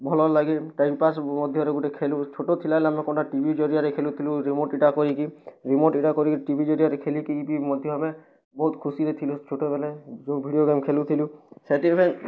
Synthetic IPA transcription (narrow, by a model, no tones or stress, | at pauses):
bʱɔlɔlaɡiʈajmipasmɔd̪ʱjɔɾɛɡuʈekʰelut͡ʃʰoʈot̪ʰilalɛamɔkɔnʈaʈibʱid͡ʒɔɾijaɾɛkʰelut̪ʰilũɾimoʈiʈakɔɾikiɾimoʈiʈakɔɾikiʈibʱid͡ʒɔɾijaɾɛkʰelikiipimɔd̪ʱjɔɦamɛ | bɔɦut̪kʰusiɾɛt̪ʰilũt͡ʃʰoʈɔbɛlɛd͡ʒobʱiɖijoɡemkʰelut̪ʰilũsɛʈipʰan